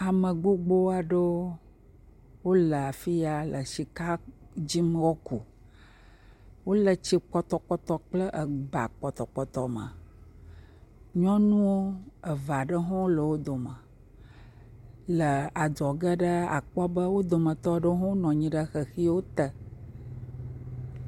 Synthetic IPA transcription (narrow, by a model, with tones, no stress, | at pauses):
a˨mə̃˨ɡ͡bo˦ɡ͡bo˦a˨ɖo˦ | wo˦lə˨a˨fi˦ja˨lʔə˨ʃi˨ka˦d͡ʑi˦m˦wɔ˦ku˨ | wo˦lə˨t͡ɕi˦k͡pɔ˦t̪ɔ˨k͡pɔ˦t̪ɔ˨k͡plə˦ʔə˨ɡ͡ba̰˨k͡pɔ˨t̪ɔ˨k͡pɔ˨t̪ɔ˨mə̰̃˨ | ɲɔ̃˦nũ˦wo˦ə˨va˨ɖə˦ɦɔ̃˦lə˨wo˦d̪o˨mə̃˨ | lə˨a˨d̪ɔ˨ɡə˦ɖə˦a̰˨k͡pɔ˦bə˦wo˦d̪o˨mə̃˨t̪ɔ˦ɖə˦ɦɔ̃˦nɔ̃˨ɲĩ˦ɖə˦xə˨xi˦wo˦t̪ə˨